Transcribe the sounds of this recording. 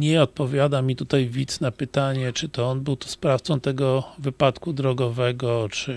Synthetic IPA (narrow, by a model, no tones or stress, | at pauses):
ɲɛɔt̪̚pɔvʲjad̪amʲit̪ut̪ajvʲit̪snapɘt̪aɲɛt͡ʂɘt̪ɔɔnbɘwt̪ɔ̥spɾaft̪sɔ̃w̃t̪ɛɡɔvɘpat̪kud̪ɾɔɡɔvɛɡɔt͡ʂɘ